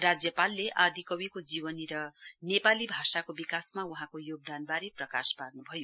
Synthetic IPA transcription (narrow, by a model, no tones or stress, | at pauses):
rad͡zjʌpalːeʔad̪ʱikʌwikod͡zibʌniɾʌnepalibʱasakobikasmauɦãkojoɡ̚d̪anbaɾiprʌka̰sparnubʱʌjo